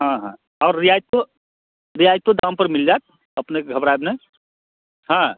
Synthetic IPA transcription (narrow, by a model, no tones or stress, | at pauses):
ɦãɦã | ɔːɾːijajt̪o | ɾijajt̪od̪ãm̃pəɾmild͡ʒaːt̪̚ | əpneɡʱəbɾaebne | ɦã